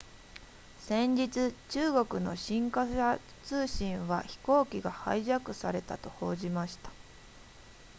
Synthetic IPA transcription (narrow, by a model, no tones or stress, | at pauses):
sẽ̞ɲd͡ʑit͡sɨt͡ɕɨːɡo̞kɯ̟no̞̰ɕĩŋkaɕa | t͡sɨːɕĩɰ̃βa̰çi̥ko̞ːkʲiɡaha̰iʑakɯ̟saɾe̞t̪a̰t̪o̞ho̞ːʑimaɕi̥t̪ḁ